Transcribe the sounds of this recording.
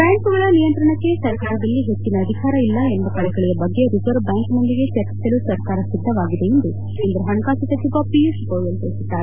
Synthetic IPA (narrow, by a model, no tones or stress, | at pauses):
ɾaːɐɳkɐɡɐɭɐnijɐnt̪ɾɐɳɐkːe̞sɐɾkaːɾɐd̪ɐlːiɦet͡ʃːinɐːd̪ʱikaːɾɐilːɐenb̪ɐkɐɭɛɡɐɭijɐbɐɡːe̞ɾipɐɾbaŋknond̪iɡet͡ʃɐɾt͡ʃi̥sɐlusɐɾkaːɾɐsid̪ʱːɐʋaːɡid̪e̞ind̪u | eːnd̪ɾɐɦɐnɐkaːt͡ʃit̪ɐt͡ʃːiɡapieskoːjɐneɭisud̪ːaːɾe